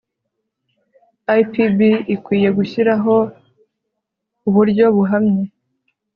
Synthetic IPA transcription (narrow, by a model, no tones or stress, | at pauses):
ajpibiːkwiːje̞ɡuçiɾaɦo̞ | uβuɾɟo̞βuɦamɲe